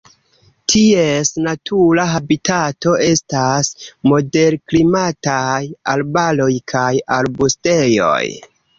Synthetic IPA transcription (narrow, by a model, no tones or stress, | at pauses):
tʰie̞snatʰulaɦabitʰato̞ʔe̞stasmo̞de̞ɾklimatajalbalo̞jkʰajalbuste̞jo̞̰j